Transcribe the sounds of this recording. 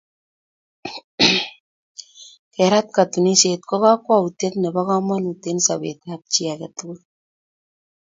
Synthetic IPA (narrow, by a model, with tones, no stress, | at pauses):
kɛ˨ɾa˦t̚ka˨tu˨ni˦se˨t̚kɔ˦ka˦kwa˦u˨te˦tne˨ba˦kɔ˦ma˦nu˨te˦nsa˨bḛ˨tap̚t͡ʃi˦a˨kɛ˨tʊ˦kʊ˦l